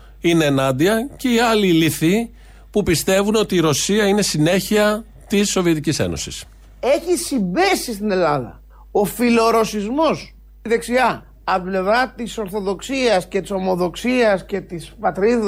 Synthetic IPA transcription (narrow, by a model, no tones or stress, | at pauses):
ine̞ːnɐnd̪iɐce̞iɐliliθi | pupist̪e̞vuno̞t̪iːɾo̞siɐine̞sine̞çiɐ | t̪isːo̞vie̞t̪icise̞̰no̞̰si̥s | e̞çisimbesist̪ine̞lɐðɐ̰ | o̞filo̞ɾo̞sizmo̞s | ðe̞ksiɐː | le̞vɾɐt̪iso̞ɾθo̞ðo̞ksiɐsce̞t̪i̥so̞mo̞ðo̞ksiɐsce̞t̪ispɐt̪ɾi